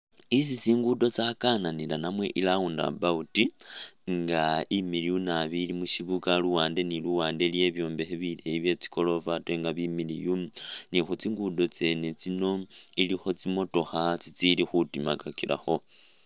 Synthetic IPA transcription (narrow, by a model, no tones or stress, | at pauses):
isisiːŋɡudo̞t͡sakananilanamwe̞̰ʔilaunda̰bautiŋɡaimilijunaβilimuʃiβukaluwaːnde̞niluwaːndelje̞βjo̞ːmbe̞xeβileiβje̞t͡si̥ko̞lo̞vatweŋɡaβimilijumnixut͡siŋɡudo̞t͡se̞ːne̞t͡sino̞ilixo̞t͡simo̞to̞xat͡sit͡silixutimakakiɾa̰xo̞